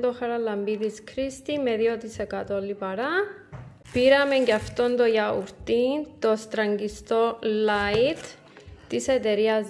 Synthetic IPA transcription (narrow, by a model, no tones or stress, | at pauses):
d̪oxɐɾalɐmbiðiskʰɾist̪imeðiot̪isekat̪olːipɐɾa | piɾɐme̞ɲɟɐft̪o̞nd̪ojauɾt̪int̪o̞st̪ɾɐɲɡist̪o̞lait̪ː | iset̪eɾiɐz